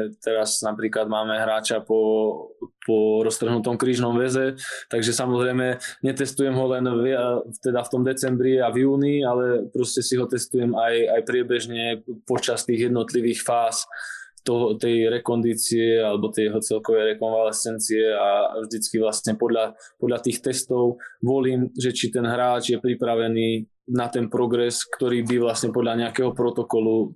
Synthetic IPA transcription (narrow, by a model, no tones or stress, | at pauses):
t̪ɛɾaznapɾiːklad̪maːmɛɦɾaːt͡ʃapɔ | pɔɾɔst̪r̩ɦnut̪ɔmkɾiːʒnɔmʋɛzɛt̪aɡʒɛsamɔzɾɛjmɛɲɛt̪ɛst̪ujɛmɦɔlɛnʋaft̪ɛd̪aft̪ɔmd̪ɛt͡sɛmbɾiavjuːnialɛpɾɔscɛsiɦɔt̪ɛst̪ujɛmajajpɾɪɛbɛʒɲɛpɔt͡ʃast̪iːɣjɛd̪nɔt̪liʋiːxfaːst̪ɔɦɔt̪ɛjɾɛkɔnd̪iːt͡siɛalɛbɔt̪ɛjɛɦɔt͡sɛlkɔʋɛjɾɛkɔnʋalɛsɛnt͡siɛavʒd̪it͡skiʋlasɲɛpɔd̪ʎapɔd̪lat̪iːxt̪ɛst̪ɔʊʋɔliːmʒɛt͡ʃit̪ɛnɦɾaːd͡ʒjɛpɾipɾaʋɛniː | nat̪ɛnpɾɔɡɾɛskt̪ɔɾiːbiʋlasɲɛpɔd̪ʎaɲɛakɛɦɔpɾɔt̪ɔkɔlu